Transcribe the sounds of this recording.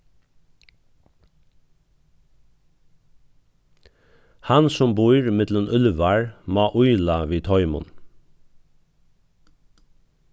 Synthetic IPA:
hɑnsɔmbuːɹɪmɪt̪lʊnʔʉlʋɑɹmɑːʔʊʏlɑʋiːt̪ʰɔʏmʊ̰n

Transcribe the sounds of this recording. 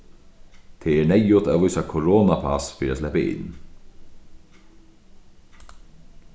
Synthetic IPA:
t̪ʰeːɛɳɛjʊt̪aːvʊjsakʰɔɾoːnapʰasfiːɾæːslɛpɪʔɪ̰nː

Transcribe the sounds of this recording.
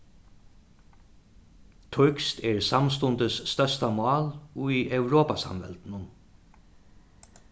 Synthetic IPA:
t̪ʰʊɥkst̪ʰɛɹsams̬t̪ʊnt̪əsːt̪œst̪amɑːlujɛwɾɔːpasa̰mvɛ̰lt̪nʊn

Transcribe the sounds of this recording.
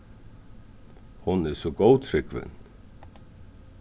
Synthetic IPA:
hʊnɛsɔɡowt̪ʰɾɪkvɪ̰n

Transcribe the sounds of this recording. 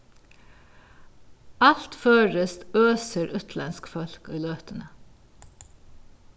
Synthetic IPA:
ɑlt̪føːɹəst̪øːsəɾʔʉt̪ʰlɑnskfɔlkiːløːt̪ənə

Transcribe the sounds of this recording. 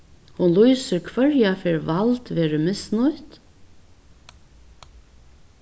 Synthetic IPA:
hʊnluːsəɾkʰʋœɹjafɪɹʋɑlt̪ʋeːɹəmɪsnʊʏt̪

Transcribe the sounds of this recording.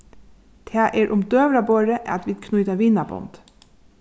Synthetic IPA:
t̪ʰæːʔeːɾʔʊmd̪øːʋɾɑboːɾəʔɑt̪ʋɪd̪kʰnʉːt̪ɑʋɪnɑbɔ̰nd̪̥

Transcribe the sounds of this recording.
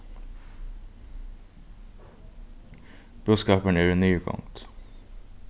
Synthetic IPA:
b̥ʉːskɑːpənæːɾenyːɡɑ̰ŋt̪

